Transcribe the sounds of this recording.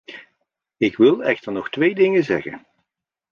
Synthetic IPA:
ɪkʋɪlˠɛxtəɹnɔxtʋeːjdɪŋəzɛ̰ɣə̰n

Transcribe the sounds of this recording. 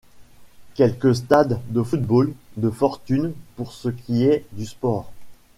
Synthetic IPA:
kʲɛlkəs̬t̪ad̪ːəfut̪̚bold̪əfɔʁt̪ynpuʁsəkʲʰiɛd̪yspɔːʁ

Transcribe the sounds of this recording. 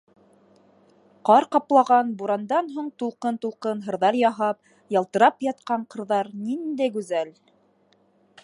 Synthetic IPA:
qɑɾqɑplˠɑʁɑnbuɾɑnd̪ɑnɦuɴt̪ulˠqɤnt̪ulˠqɤnɦɤ̆ɾðɑɾjɑɦɑp̚ | jɑlˠt̪ɤ̆ɾɑpjɑt̪̚qɑɴqɤ̆ɾðɑɾnind̪æjɡʉzæl

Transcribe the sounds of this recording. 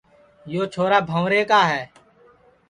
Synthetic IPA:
joːt͡ʃʰoːɾaːbʱə̃ːɾeːkaːɦɛː

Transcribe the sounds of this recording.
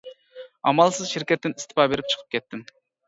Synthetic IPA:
ɑmɑlˠsɨzʃiɾkʲɛt̪ːɪnist̪ɪ̥pɑbeɾɪp̚t͡ʃʰə̥qʰə̥p̚kʲʰɛt̪ːɪm

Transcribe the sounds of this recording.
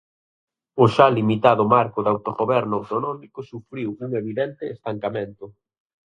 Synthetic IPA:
ʊʃalimit̪aðʊmaɾkʊðawt̪oɣoβɛɾnʊawt̪onɔmikʊsufɾiwuŋeβiðɛnt̪ɪːst̪aŋkamẽnt̪ʊ

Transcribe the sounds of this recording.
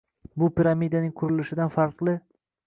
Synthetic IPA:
bʊpʰiɾamid̪anɪŋʲkʰʊɾɪlɪʃɪd̪anfaɾqlˠɪ

